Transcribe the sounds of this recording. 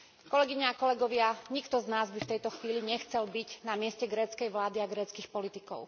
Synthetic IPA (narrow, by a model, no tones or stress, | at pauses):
kɔlɛɡiɲaːkɔlɛɡɔʋɪaɲikt̪ɔznaːzbift̪ɛjt̪ɔxʋiːliɲɛxt͡sɛlbiɟnamɪɛscɛɡɾɛːt͡skɛjʋlaːd̪iaɡɾɛːt͡skixpɔlit̪ikɔ̰ʊ